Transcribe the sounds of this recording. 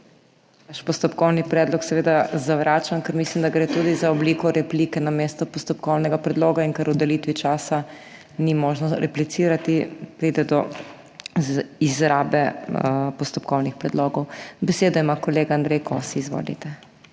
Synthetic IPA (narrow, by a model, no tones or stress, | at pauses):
naʃpɔst̪ɔpkɔwnipɾɛːd̪lɔksɛʋed̪azaʋɾʔaːt͡ʃankɛɾmislimd̪aɡɾeːt̪uːd̪izaɔbliːkɔɾɛplikɛnameːst̪ɔpɔst̪ɔpkɔwnɛɡapɾɛd̪loːɡaiŋkaɾud̪ɛlit̪ʋit͡ʃaːsa | nimoʒnɔɾʔɛplit̪siɾat̪ipɾiːd̪ɛd̪ɔ | izɾaːbɛpɔst̪ɔpkɔwnixpɾɛd̪loːɡɔwbɛseːd̪ɔimakɔleɡaːnd̪ɾɛjkosiːzʋo̰ːlḭt̪ɛ